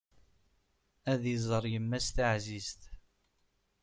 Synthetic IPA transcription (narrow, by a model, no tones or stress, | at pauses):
æðizˤəɾˤjəmːæst̪əʕzizt̪